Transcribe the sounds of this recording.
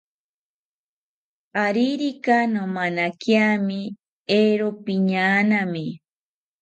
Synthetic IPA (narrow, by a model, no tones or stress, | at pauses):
aɾiɾikanomanakjami | eɾopiɲanami